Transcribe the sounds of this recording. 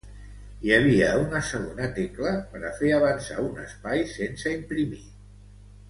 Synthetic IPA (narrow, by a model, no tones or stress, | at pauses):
jəβ̞iəunəsəɣ̞onət̪ekləpəɾəfeəβ̞ənsa̰unə̰spajsensəimpɾimi